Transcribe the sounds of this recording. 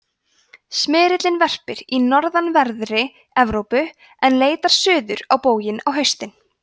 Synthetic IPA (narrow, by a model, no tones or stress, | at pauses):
smɪːɾɪt̪lɪnvɛr̥pɪɾinɔɾðanvɛɾðɾɪ | ɛvɾowpʏ | ɛnleːjt̪aɾ̥sʏːðʏɾawpoːwjɪnawɦœɥst̪ɪn